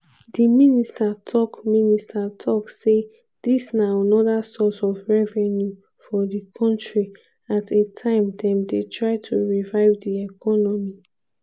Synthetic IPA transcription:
diministatʰɔkministʰatʰɔkse | d̥isnaanɔdasɔsɔvɹɛvɛnju | fɔdikʰɔ̃ntɹi | atʰetʰãɪ̃mdɛ̃mdetʰɹaɪtʰuɹivaɪvdiɛkʰɔnɔmi

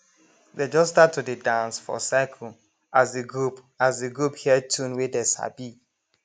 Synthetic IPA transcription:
ded͡ʒɔstatʰudidãnsfɔ̰saɪkʰɔ̃ | ʔazdeɡɹup | azdeɡɹuphiɛtʰũnwedesa̰bi

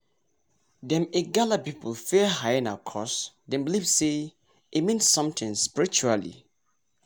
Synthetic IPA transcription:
dɛ̃meɡalapiplfɛɦajɪ̃nakʰɔsdɛ̃mblivse | imĩnsʌ̃mtɪ̃ŋspiɹit͡ʃualḭ

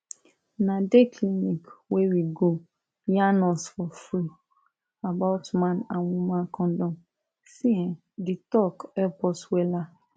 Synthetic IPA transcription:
nãdekʰlinikwewiɡo | janɔsfɔfɾi | abaʊtmãnãnwũmãkʰɔ̃dɔ̃m | sĩɛ̃ | ditɔkɛpɔswɛla

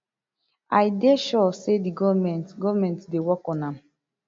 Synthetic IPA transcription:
ajdeʃɔsediɡɔvmɛ̃ntɡɔvmɛ̃ntdewɔkɔ̃nãm

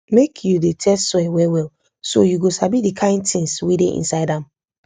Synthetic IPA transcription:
mekʰjudetʰɛstswɛwɛwɛl | so̰juɡosabidikʰãɪ̃ndtĩŋswedeʔḭ̃nsaɪdãm

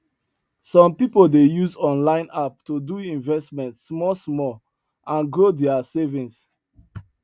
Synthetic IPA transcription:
sɔ̃mpipoldejuzɔ̃nlãɪ̃nap̚tuduĩnvɛstmɛ̃ntsmɔsmɔl | ʔãnɡɹodɛasevĩns

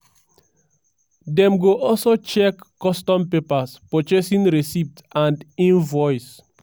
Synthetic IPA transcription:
dɛ̃mɡoʔɔlsot͡ʃɛkːɔstɔ̃mpepaspot͡ʃesĩnɹesip̚tãndĩnvɔjs

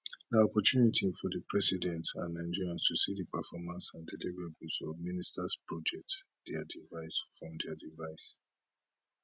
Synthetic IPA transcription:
daɔpɔtunitʰifɔdəpʰɹɛsidɛ̃ntãnãnd͡ʒiɹãnstʰusidəpʰəfɔmãnsãndɛlivəɹebusɔvministaspɹɔd͡ʒɛk̚t | d̥ɛdivaɪsfɹɔ̃mdɛdivaɪs

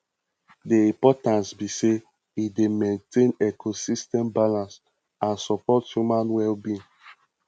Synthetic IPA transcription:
deĩmpɔtãnsbise | idemẽntʰẽnɛkʰosistɛ̃mbalãns | ãnsɔpɔtjumãnwɛlbĩ

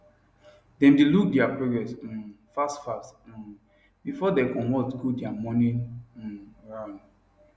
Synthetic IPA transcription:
dɛ̃mdeluk̚dɛapɹoɡɹɛs̩ | fastfast̩ | bifɔdekɔ̃mɔtɡodjamɔnĩn̩ | ɹãnd

